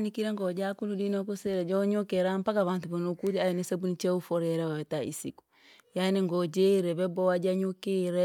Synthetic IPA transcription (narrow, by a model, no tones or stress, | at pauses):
nikiɾɛŋɡɔd͡ʒakuludinɔkusɛɾɛd͡ʒɔɲokɛɾampakaβantubanokuɾiajɛnisabunit͡ʃɛufɔɾɛɾɛɔɛtaḭsiku̥ | janiŋɡɔd͡ʒɛɾɛβɛbɔad͡ʒaɲokɛɾɛ